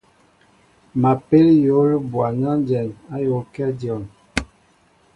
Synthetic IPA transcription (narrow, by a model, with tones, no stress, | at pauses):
ma˨pe˦ljo˨˦lə˦bwa˨ɲa˦n˦d͡ʒɛ˨na˦jo˨˦kɛ˦djɔ˨n